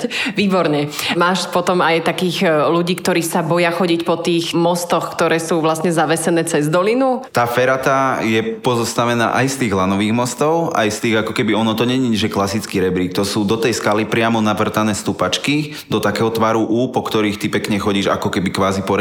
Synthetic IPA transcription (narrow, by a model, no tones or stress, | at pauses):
ʋiːbɔɾɲɛmaːʃpɔt̪ɔmajt̪akiːɣluɟiːkt̪ɔɾiːsabɔjaxɔɟicpɔt̪iːxmɔst̪ɔxkt̪ɔɾɛːsuːʋlasɲɛzaʋɛsɛnɛːt͡sɛzd̪ɔlinut̪aːfɛɾat̪ajɛpɔzɔst̪aʋɛna̰ːʔajst̪iːɣlanɔʋiːɣmɔst̪ɔʊa̰jst̪iːɣakɔkɛbiɔnɔt̪ɔɲɛɲiɲɛʒɛklasit͡skiːɾɛbɾiːk̚t̪ɔsuːd̪ɔt̪ɛjskalipɾɪamɔnaʋr̩t̪anɛːst̪upat͡ʃki | d̪ɔt̪akɛːɦɔt̪ʋaːɾuʔuːpɔkt̪ɔɾiːxt̪ipɛkɲɛxɔɟiːʒa̰kɔkɛbikʋaːzipɔɾɛ